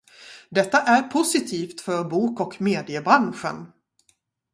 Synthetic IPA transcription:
d̪ɛt̪ːaʔæɾpʰʊsɪt̪ʰiːft̪fœɾbuːkɔkmeːd̪ɪəbɾanɧə̰n

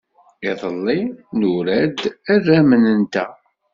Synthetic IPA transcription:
iðˤəlːinuɾæd̪ærːæmənənt̪æ

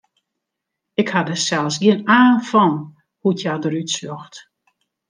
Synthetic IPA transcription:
ɪkhadəsɛlˠsɡiənaːnfɔn | hutʰjadəɾytsjoxt

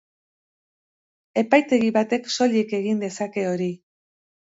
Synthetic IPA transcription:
e̞pajt̪e̞ɣiβat̪e̞ksolieke̞ɣind̪e̞sake̞o̞ɾi

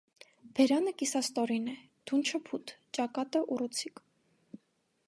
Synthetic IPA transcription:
b̥ɛɾɑnəkisɑst̪ɔɾinɛ | d̪̥unt͡ʃʰəpʰut̪t͡ʃɑkɑt̪əʔurut͡sʰik

